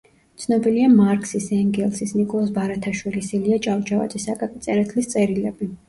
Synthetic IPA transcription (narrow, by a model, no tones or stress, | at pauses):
t̪sʰnɔbiliamaɾkʰʼsisɛŋɡɛlˠsisnikʼɔlˠasbaɾat̪ʰaʃwilisiliat͡ʃʼavt͡ʃʰʼava̰d̪zʼɛsakʼakʼit̪sʼɛɾat̪ʰlist̪sʼɛɾilɛbi